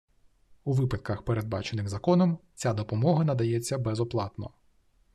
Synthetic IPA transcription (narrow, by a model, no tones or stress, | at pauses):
uʋɪpɐt̪̚kɐxpeɾe̞d̪̚bɑ̰t͡ʃenɪxzɐkɔnɔmt͡sʲad̪ɔpɔmɔɦɐnɐd̪ɐjɛt͡sʲːɐbɛzɔplˠɑt̪nɔ̰